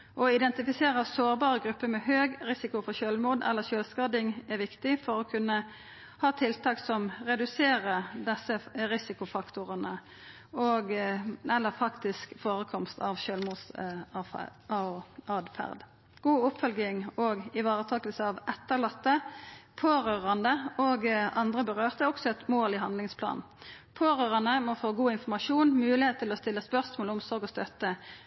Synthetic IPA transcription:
ʔɔɪd̪ɛnt̪ɪfɪseːɾəsoːʁbɑːɾəɡɾʉpːəmɛhøːɡɾɪsɪkʊfɔʃøːlmuːd̪ɛ̰lːəʃøːlskɑd̪ɪŋæʋɪkt̪ɪfɔɾɔkʰʉnːə | hɑːt̪ʰɪlt̪ʰɑːksɔmʁɛd̪ʉseːʁəd̪ɛsːəɾɪsɪkʊfɑkt̪ʊʁənə | oːɡɛlːəɾfɑkt̪ɪskfoːʁəkʰɔmst̪ʰɑʋʃøːlmuːd̪s | ɑɑːd̪fæ̰ʁd̪ | ɡ̥uːʊpfœlɡɪŋoːɡɪʋɑːʁət̪ʰɑːkəlsəɑʋɛt̪ːəʁɭɑt̪ːəpʰoːɾøːʁɑnd̪əoːɡɑnd̪ʁəbəʁøːʁt̪ʰəɔksɔɛt̪moːlɪɦɑnd̪lɪŋspʰlɑ̰ːn̩ | pʰoːʁøːʁɑnəmɔfoːɡuːɪnfɔʁmɑʂuːnmʉːlɪheːt̪ʰːɪlɔst̪ɪlːəspœʁsmoːlʊmsɔʁɡɔst̪œt̪ːə

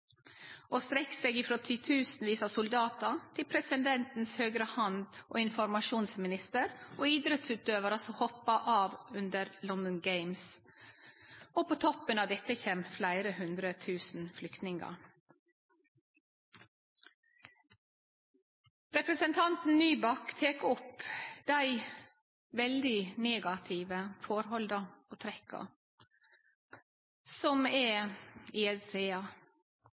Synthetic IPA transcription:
oːst̪ɾɛkseːɡɪːfɾoːt̪ʰɪt̪ʰʉːsn̩ʋiːsɑsʊld̪ɑːt̪ət̪ʰɪlpʰɾɛsɪnd̪ɛnt̪n̩shøːɡɾəhɑnd̪ʔo̰ːɪnfɔɾmɑʃuːnsmɪnɪst̪əɾʔoːiːd̪ɾət̪sʉːt̪øːʋəɾəsɔhɔpɑʔɑːʋʉnd̪əɾlɔnd̪ɔnɡeɪms | oːpʰoːt̪ʰɔpənɑːʋd̪ɛt̪əçeːmflæɪɾəhʉnd̪ɾət̪ʰʉːsn̩flʏkt̪nɪŋɑ̰ | ɾɛpɾəsənt̪ʰɑnt̪n̩nyːbɑkːt̪ʰeːkʊpd̪̥æɪ | ʋɛld̪ɪneːɡɑt̪ʰiːʋəfɔɾhɔld̪əoːt̪ʰɾɛkʰːə̰ | sɔmɛ | ɪːɛeɑ

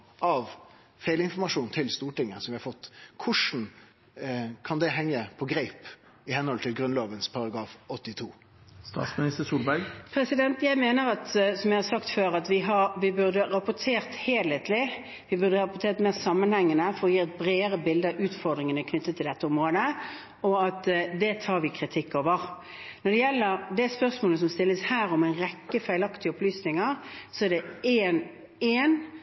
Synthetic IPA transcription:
ʔɑʋ | fæɪlɪnfɔɾmɑʂuːnt̪ʰɪlst̪uːʈɪŋːəsɔmʋɪhɑfɔt̪ːkʰʊʂn̩ | kʰɑnd̪ɛɦɛŋːəpʰɔɡɾæɪp | ɪhɛnhɔlt̪ʰɪlɡɾʉnloːʋənspʰɑɾɑɡɾɑːfɔt̪ːɪt̪ʰuː | st̪ɑ̰ːt̪smɪnɪst̪əsuːlbæɾɡpʰɾɛsɪd̪ɛnt̪jæɪmeːnəɾɑt̪sɔmjæɪhɑsɑkt̪føːɾɑt̪ʋɪɦɑʋɪbʉʁd̪əɾɑpʊt̪ʰeːʁt̪heːlet̪lɪ | ʋɪbʉɾd̪əʁɑpʊt̪ʰeːʁt̪meːʁsɑmːənhɛŋːənəfɔɾɔjiːʁɛt̪̚bɾeːəɾəbɪld̪əəʔʉːt̪fɔʁd̪ɾɪŋənəkʰnʏt̪ːət̪ʰːɪld̪ɛt̪ːəʊmʁoːd̪ə | ɔɑt̪d̪ɛt̪ʰɑːɾʋɪkʰɾɪt̪ʰɪkːoːʋəʁ | nɔd̪ɛjɛlːəɾd̪æspœʁsmoːləs̬ɔmst̪ɪlːəshæːɾɔmæɪnɾɛkːəfæɪlɑkt̪ɪɔplyːsnɪŋəʁsɔɛɖɛeːn | eːn

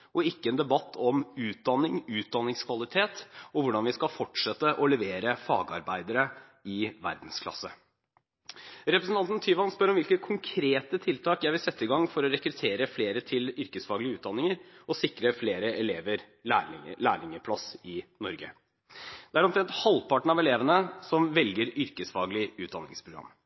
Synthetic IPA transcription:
ɔɪkːəɛnd̪ɛbɑt̪ʰːɔmʉːt̪̚d̪ɑnːɪŋʉːt̪̚d̪ɑnːɪŋskʰʋɑlɪt̪ʰeːt̪ɔʋʊɖɑnʋɪskɑfɔʈʂɛt̪ːəʔɔlɛʋeːɾəfɑ̰ːɡəɑ̰ɾbæɪd̪əɾə | ɪʋæ̰ɾd̪n̩skʰlɑ̰sə | ɾɛpɾəsn̩ɑnt̪nt̪ʰyːʋɑnspœɾɔmʋɪlkət̪̚kʰʊŋkʰɾeːt̪ət̪ʰɪlt̪ʰɑːkjæɪʋɪlsɛt̪ːəɪɡɑŋːfɔɾɔɾɛkɾʉt̪ʰeːɾəfleːɾət̪ʰɪlʏɾkəsfɑːɡlɪəʉːt̪d̪ɑnːɪŋəɾɔsɪkɾəfleːɾəɛleːʋəɾ | æːlæːɭɪŋəpʰlɑsɪnɔɾɡə̰ | d̪̥ɛæɾɔmt̪ʰɾɛnt̪hɑlpɑʈɳ̩ɑʋɛleːʋənəsɔmʋɛlɡəɾʏɾkəsfɑːɡəlɪʉːt̪d̪ɑ̰nɪ̰ŋspʰɾʊɡɾɑ̰mː

